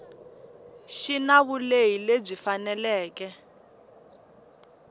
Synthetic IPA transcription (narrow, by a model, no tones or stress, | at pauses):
ʃinaβulejileb͡ʐifanɛlɛːkɛ